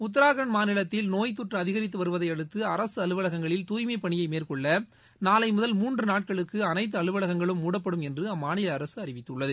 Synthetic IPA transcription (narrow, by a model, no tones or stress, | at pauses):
ʊt̪̬ːɐɾaːɣɐɳmaːnɪlɐt̪ːɪlnoːjt̪̬ːʊʈrɐðɪɣɐɾɪt̪ːɯʋɐɾɯʋɐðɐɪɐɽɯt̪ːɯɐɾɐsɯɐlɯʋɐɭɐɣɐŋɡɐɭɪlt̪uːjmɐɪpɐɳɪjɐɪmeːrkɔɭːɐ | naːlɐɪmʊðɐlmuːndrɯnaːʈ̚kɐɭɯkːɯɐnɐɪt̪̬ːɯɐɭɯʋɐɭɐɣɐŋɡɐɭɯmːuːɽɐpːɐɽɯmɛndrɯɐmːaːnɪlɐːɾɐsɯɐɾɪʋɪt̪ːɯɭːɐðɯ